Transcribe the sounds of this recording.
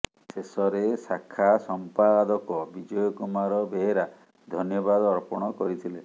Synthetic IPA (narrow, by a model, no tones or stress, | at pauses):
sesɔɾesakʰːasɔmpad̪ɔkɔbid͡ʒɔjɔkumaɾɔbeɦeɾa | d̪ʱɔnjɔbad̪ɔɔɾpɔɽ̃ɔkɔɾit̪ʰile